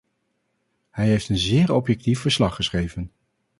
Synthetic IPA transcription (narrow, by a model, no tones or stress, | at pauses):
hɛjɦejftənzɪːɹɔpjɛk̚tifəɹslɑχːəsχejvən